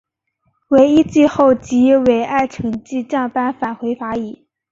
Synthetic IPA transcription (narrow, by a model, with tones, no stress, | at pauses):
we˧˥ɪi˥t͡ɕi˥˧xo˥˩ʊt͡ɕi˧˥we˧˥ɪʔa˥˩ɪʈ͡ʂʰɤ˧˥ŋt͡ɕi˥˧t͡ɕjɑ˥˩ŋpa˥nfa˨˩nxwe˧˥ɪfa˧˥i˨˩˦